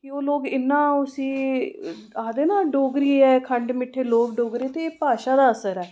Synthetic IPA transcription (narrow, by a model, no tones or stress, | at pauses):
kioːloːɡɪnːãːʊsĩː | aːd̪eːnãːɖoːɡɾiːɛːkʰəɳɖmɪʈʰːeːloːkɖoːɡɾeːt̪eːpaːʃaːd̪aːəsəɾɛː